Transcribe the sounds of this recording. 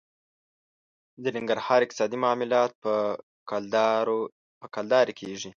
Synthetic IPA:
d̪ənɪŋɡaɾhɑɾɪq̚t̪ɪ̥sɑd̪imɑmɪlɑt̪̚pə | d̪ɾ | pəkɑld̪ɑɾekʰeʐi

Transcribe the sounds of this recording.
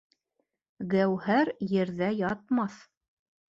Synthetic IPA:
ɡæwhæɾjɘ̆ɾðæjɑt̪mɑθ

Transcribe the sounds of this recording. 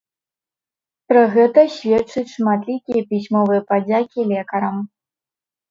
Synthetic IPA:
pɾɐɣɛt̪ɐɕʲvʲɛt͡ʂɨt͡sʲʂmat̪lʲikʲijɐpʲisʲmɔvɨjɐpad͡zʲakʲilʲɛkɐɾɐm

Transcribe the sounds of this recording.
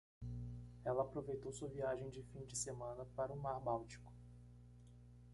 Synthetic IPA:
ɛlɐːpɾovejt̪owsuɐviaʒẽj̃d͡ʒɪfĩd͡ʒɪsemɐ̃nɐpaɾʊmaɾbawt͡ʃi̥kʊ̥

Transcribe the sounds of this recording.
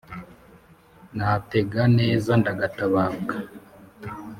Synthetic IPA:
nate̞ɡaneːzandaɡataβaːɡa

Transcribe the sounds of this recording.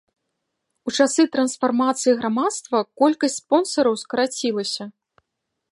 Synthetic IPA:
ut͡ʂasɨt̪ɾɐnsfarmat̪sɨjiɣɾamat̪st̪vɐkɔlʲkɐsʲtʲspɔnsɐɾɐwskɐɾat͡sʲilˠɐsʲɐ

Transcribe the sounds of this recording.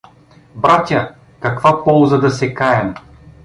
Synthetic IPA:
bɾat̪ʲa | kɐkvapɔlˠzɐd̪ɐsɛkaɛm

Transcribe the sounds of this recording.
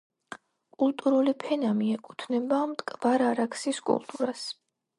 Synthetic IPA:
kʼulˠt̪ʼuɾulipʰɛnamiɛkʼut̪ʰnɛbamt̪ʼkʼbaɾaɾakʰsiskʼṵlˠt̪ʼuɾas

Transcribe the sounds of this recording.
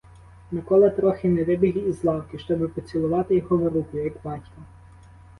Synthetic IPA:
nɐkɔlˠɐt̪ɾɔxɪnɛʋɪbʲiɦiːzlˠɑwkɪʃt͡ʃɔbɪpɔt͡sʲilˠʊʋɑt̪ɪjɔɦɔʋɪɾukʊjɐɡbɑtʲkɐ

